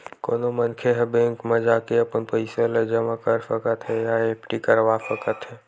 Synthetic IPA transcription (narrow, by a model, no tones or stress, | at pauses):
koːnomənkʰeɦɛbẽːŋkmẽd͡ʒakeəpənpəɪsəled͡ʒəmakəɾpʰəkət̪ɦɛjaepʈikəɾʋapʰəkət̪ɦɛː